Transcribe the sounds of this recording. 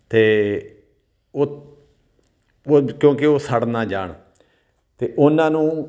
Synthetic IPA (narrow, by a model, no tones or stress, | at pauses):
t̪eː | oː | kjõːkɪoːsəɽnãːd͡ʒaːɳ | t̪eːʔʊnãːnũː